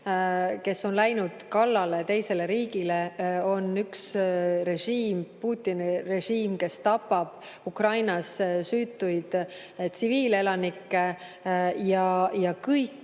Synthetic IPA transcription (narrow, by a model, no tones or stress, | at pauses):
ke̞sːo̞nlæjnud̪̥kɑlːɑle̞t̪e̞jse̞le̞ɾiːɡ̥ile̞o̞nyksre̞ʒiːmpuːt̪ːˑinire̞ʒiːmke̞st̪ɑpːˑɑb̥ | ukrɑjnɑssyːt̪ːˑujd̪̥ | t̪siviːle̞lɑnikːe | jɑjɑkɯjkː